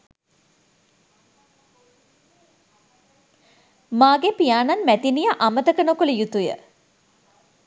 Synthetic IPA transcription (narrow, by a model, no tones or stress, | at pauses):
maːɡepijaːnanmæt̪inijəʔamət̪əkənokoləjut̪ujə̰